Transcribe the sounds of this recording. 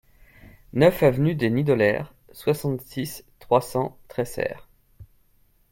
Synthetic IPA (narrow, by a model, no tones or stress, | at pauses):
nœfavnyd̪enid̪ɔlɛ̰ʁ | swasɑ̃t̪sist̪χwasɑ̃t̪χɛsɛ̰ːʁ